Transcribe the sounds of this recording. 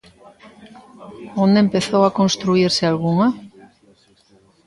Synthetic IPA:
ond̪empe̞θowako̞nst̪ɾuiɾsealɣuŋa

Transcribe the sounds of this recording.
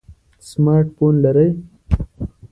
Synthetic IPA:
smɑːɾʈfonlaɾəj

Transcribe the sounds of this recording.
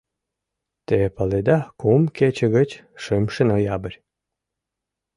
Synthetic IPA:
t̪epəled̪ɑkumket͡ɕəɣət͡ɕʃɨmʃənojɑbəɾʲ

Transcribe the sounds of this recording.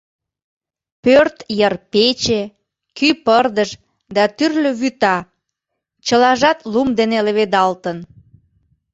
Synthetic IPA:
pørt̪jərpet͡ɕe | kypərd̪əʃ | d̪ɑt̪yrløβyt̪ɑ | t͡ɕəlɑʒɑt̪lumd̪eneləβed̪ɑlt̪ən

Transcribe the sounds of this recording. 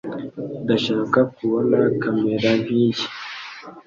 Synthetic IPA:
daʃakakʷuwanaːkɐmːedaviki̥

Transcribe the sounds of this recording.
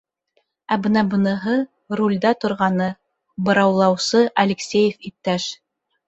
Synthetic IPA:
æbɤnɑbɤ̆nɤ̆ɦɤ | ɾulʲd̪ɑt̪ŏɾʁɑnɤ | bɤ̆ɾɑwlˠɑwsɤʔɐlʲɪksʲejɘfip̚t̪æʃ

